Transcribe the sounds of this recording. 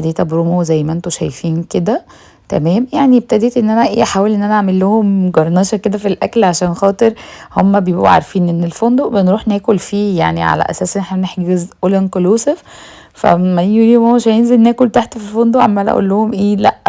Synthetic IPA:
d̪eːt̪æbɾumozæjːmæʔent̪uʃæ̰jfiːnked̪æ | t̪æ̰mæːmjaʕnieb̚t̪æd̪eːt̪ʔenːʔænæʔeːʔħaːwelʔenːʔænæʕamelːohomɡɑɾˤnɑːʃɑked̪æfilʔæklʕaʃæːnxɑːt̪ˤeɾhomːæbejebʔṵʕa̰ɾˤfiːnʔenːelfond̪obenɾuːħnæːkolfiːja̰ʕniʕa̰læ̰ʔæ̰sæːsʔenʔeħnæneħɡezʔolænkoloːsef | fæ̰mæjuliːmowʃæjenzelnæːkolt̪aħt̪ofilfond̪oʕa̰mːænʔæ̰ʔṵlːohomʔeːlæʔ

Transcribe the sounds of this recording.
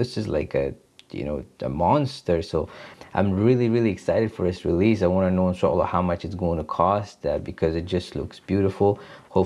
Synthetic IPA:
ɪsɨzla̰ɪkɨ | jɨ̰no̰ʊə̰mɑ̃nstə˞soʊʔã̰ɪ̃mɹɪlˠiɹɪlˠiɨksaɪɾɨd̥fə˞ðɨsɹilis̬aɪwɑ̃nənoʊə̃nsʰɔl̩lʌ̰vhaʊmʌt͡ʃɨtsɡ̥oʊɪ̃ŋtʰəkʰɔstʌb̥ɨkʰʌzɨt̚d̥ʒ̥ʌstˡlʊ̰ksb̥jʉɾəfl̩ˠhoʊ

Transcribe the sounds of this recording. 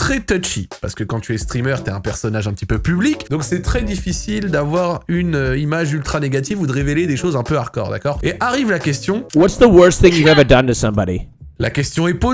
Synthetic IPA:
t̪χɛt̪ɔt͡ʃipa̰ʁsə̥kəkɑ̃t̪yɛst̪χimœʁt̪yaɛ̃pɛʁsɔnaʒɛ̃pət̪ipøpyblikd̪ɔ̃ksɛt̪χɛd̪ifisild̪avwaʁynøimaʒylt̪χaneɡʲat̪ivud̪əʁeveled̪eʃozɛ̃pøaʁkɔ̰ʁd̪a̰kɔʁeʔaʁivlakʲɛst̪jɔ̃wʌtsðəwɜ˞sθɪ̃ŋjɨhævədʌ̃ntɨsʌ̃mbɑɾḭla̰kʲɛst̪jɔ̃ɛpo

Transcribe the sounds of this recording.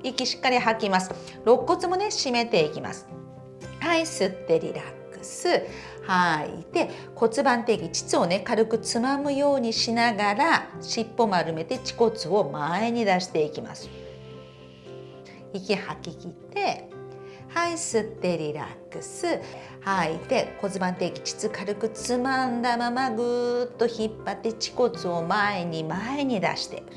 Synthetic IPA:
ikʲiɕi̥kːaɾʲiɦakʲimasɨ̥ | ɾo̞kːo̞t͡sɨmo̞ne̞ɕime̞t̪e̞ikʲima̰sɨ̥ | haisɨt̪ːe̞ɾʲḭɾakːɯ̟̥sɨ | haḭt̪e̞ | ko̞t͡sɨbãnt̪e̞kʲit͡ɕi̥t͡sɨo̞ne̞kaɾɯ̟kɯ̟t͡sɨmamɯ̟jo̞ːɲ̟iɕinaɡaɾaɕipːo̞maɾɯ̟me̞t̪e̞t͡ɕi̥ko̞t͡sɨo̞mae̞ɲ̟id̪aɕi̥t̪e̞ikʲima̰sɨ̥ | ikʲihakʲikʲit̪e̞ | haisɨt̪ːe̞ɾʲiɾa̰kːɯ̟sɨ | hait̪e̞ko̞t͡sɨbãnt̪e̞kʲi̥t͡ɕi̥t͡sɨkaɾɯ̟kɯ̟t͡sɨmãnd̪amamaɡɯ̟t̪ːo̞çipːat̪ːe̞t͡ɕi̥ko̞t͡sɨo̞mae̞ɲ̟imae̞ɲ̟id̪a̰ɕi̥t̪e̞̰

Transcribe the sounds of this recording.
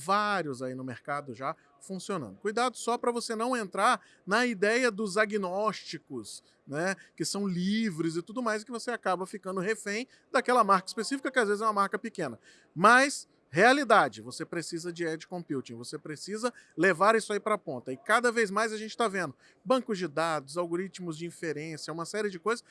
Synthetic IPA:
vaɾjʊzainʊmeɾkad̪ʊʒa | fũsionɐ̰̃nd̪ʊkujd̪ad̪ʊsɔpɾɐvosenɐ̃w̃ẽnt̪ɾaɾ | nɐid̪ɛjɐd̪ʊzaɡinɔst͡ʃikʊs | nɛkɪsɐ̃w̃livɾɪzɪt̪ud̪ʊmajzɪkɪvoseakabɐfikɐ̃nd̪ʊɦefẽj̃ | d̪akɛlɐmaɾkɐi̥spesifikɐkɪazvezɪzɛũɐmaɾkɐpɪkẽnɐ | mɐs | healid̪ad͡ʒɪvosepɾesizɐd͡ʒɪɛd͡ʒɪkõpiwt͡ʃĩvosepɾesizɐlevaɾisʊaipɾɐapõnt̪ɐɪkad̪ɐvejzmajzɐʒẽnt͡ʃɪ̥t̪avẽnd̪ʊ | bɐ̃ŋkʊzd͡ʒɪd̪ad̪ʊzawɡoɾit͡ʃmʊzd͡ʒɪĩfeɾẽsjɐũmɐsɛɾɪd͡ʒɪkojzɐs

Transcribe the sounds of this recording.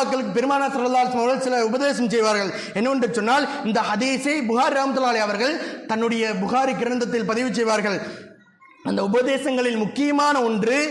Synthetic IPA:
kːɐɭɯkːɯpɛɾɯmaːnaːsɐlːɐlːaːɐlɪsɐmɐɾɣɐɭsɪlɐʊbɐðeːsɐmsɛjʋaːɾɣɐɭ | ɛnːɐɔndrɯt͡ʃɔnːaːlɪnd̪ɐhɐðiːsɐɪbʊxaːɾiɾaːmɐt̪ːɐlaːlɐɪɐʋɐɾɣɐɭt̪ɐnːɯɽɐjɐbʊxaːɾikɪɾɐnd̪ɐt̪ːɪlpɐðɪʋɯt͡ʃɛjʋaːɾɣɐɭ | ɐnd̪ɐʊbɐðeːsɐŋɡɐɭɪlmʊkːɪjɐmaːnɐɔndrɯ

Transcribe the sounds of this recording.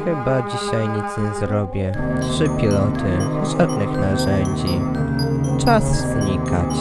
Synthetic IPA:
xɘbad͡ʑiɕajɲit̪sɲɛzɾɔbʲjɛtʂɘpʲilɔt̪ʰɘʐad̪nɘxnaʐɛɲd͡ʑi | t͡ʂaszɲikʰa̰t͡ɕ

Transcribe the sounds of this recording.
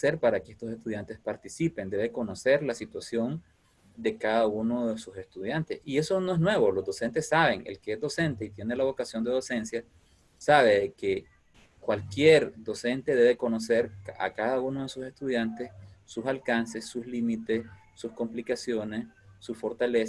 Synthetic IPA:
se̞ɾpaɾakeest̪osest̪uðjant̪e̞spaɾt̪isipe̞nd̪e̞βe̞ko̞no̞se̞ɾlasit̪wasjo̞n | d̪e̞kaðauno̞ðe̞suse̞st̪uðjant̪esie̞so̞no̞e̞ɦnwe̞βo̞lo̞zd̪o̞se̞nt̪e̞sːaβe̞ŋḛlkeezd̪o̞se̞nt̪e̞it̪jenelaβo̞kasjo̞nd̪e̞ð̞o̞se̞nsja | saβe̞ðeke̞ | kwalkje̞ɾd̪o̞se̞nt̪e̞ðe̞βe̞ko̞no̞se̞ɾa̰kaðauno̞ðe̞suse̞st̪uðjant̪e̞ssusalkanse̞sːuslimit̪e̞s | susko̞mplikasjo̞ne̞sːusfo̞ɾt̪ale

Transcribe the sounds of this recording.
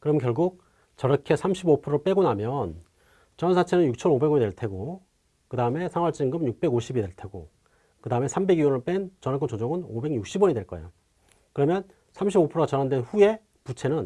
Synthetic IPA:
kɯɾʌmɯnkjʌɭɡuk̚ | t͡ɕʌɾʌkʰe̞sʰamɕʰibopʰɯɾoɭp͈e̞ɡonamjʌn | t͡ɕʌnsʰat͡ɕʰenɯnjuk̚t͡ɕʰʌnobe̞ɡʌɲidwe̞ɭtʰe̞ɡo | kɯdaɯme̞sʰaŋɦwaɭt͡ɕ͈iŋɡɯmjuk̚p͈e̞ɡoɕʰibidwe̞ɭtʰe̞ɡo̰ | kɯdaɯme̞sʰambe̞ɡiʌnɯɭp͈ent͡ɕʌnak͈ot͡ɕod͡ʑʌŋɯnobe̞ɡɲuk̚ɕ͈ʰibwʌɲidweɭk͈ʌḛjo̰ | kɯɾʌmjʌn | sʰamɕʰibopʰɯɾoɣat͡ɕʌnandwenɸue̞ | put͡ɕʰe̞nɯn

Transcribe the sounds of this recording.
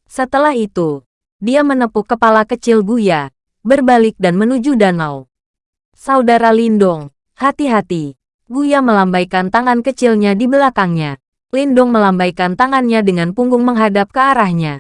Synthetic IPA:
sət̪əlahit̪u | diamənəpukːəpalakət͡ʃɪlɡuja | bərbalɪk̚danmənud͡ʒudanaw | saudaɾalindɔŋ | hat̪iɦat̪i | ɡujaməlambajkant̪aŋankət͡ʃɪlɲadibəlakaŋɲa | lindɔŋməlambajkant̪aŋanɲadəŋanpuŋɡʊŋməŋɦadap̚kəaɾahɲa

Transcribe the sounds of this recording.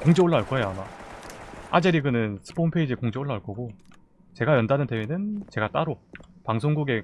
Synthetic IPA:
koŋd͡ʑioɭːaaɭk͈ʌejama | ad͡ʑeɾiɡɯnɯnsʰɯ̥pʰonpʰeid͡ʑikoŋd͡ʑioɭːaaɭk͈ʌɡo | t͡ɕe̞ɡajʌndanɯnte̞wenɯnt͡ɕe̞ɡat͈aɾopaŋsʰoŋɡuɡe̞

